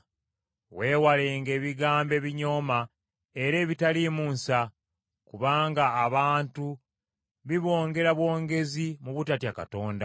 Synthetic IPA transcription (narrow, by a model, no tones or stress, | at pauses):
we̞ːwale̞ːŋɡe̞ːβiɡaːmbe̞βiɲo̞ːma | e̞ɾe̞ːβitalimuːnsa | kuβaːŋɡaːβaːntu | βiβo̞ːŋɡe̞ɾaβwo̞ːŋɡe̞zimuβutatjaka̰to̞ːnda̰